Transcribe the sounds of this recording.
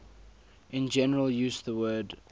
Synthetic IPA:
ʔɪ̃nd͡ʒɛnəɹəlˠjʉːzðəwɜːd

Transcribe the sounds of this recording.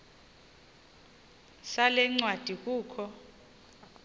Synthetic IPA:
salɛŋ͡ǀwad̥ʱik̬uːkʰɔ

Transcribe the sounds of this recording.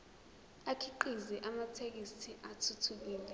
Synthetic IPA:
akʰiǃiziʔamatʰek̬isiʔatʰutʰuk̬iːlɛ

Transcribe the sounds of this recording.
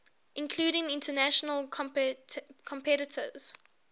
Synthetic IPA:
ʔɪ̃nkʰl̥uːɾɪ̃ŋɪ̃ntənæʃənəlʰ | kʰɔ̃mpʰɛɾɪtʰə̰z̥

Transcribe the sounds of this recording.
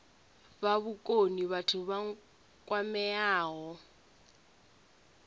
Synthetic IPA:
baβʊkʼoniβatʰʊβa | kʼwamɛaːɦɔ

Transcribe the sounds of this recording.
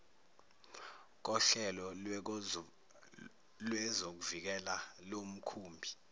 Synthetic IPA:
k̬ɔɬɛlɔ | lwɛzok̬uvik̬ɛlalom̩kʰuːmbʱi

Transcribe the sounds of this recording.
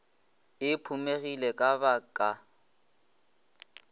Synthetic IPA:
ɪpʰumeɣilɛkʼabakʼa

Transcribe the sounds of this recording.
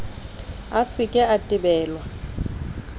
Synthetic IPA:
asɪkʼɛatʼɪbɛːlwa

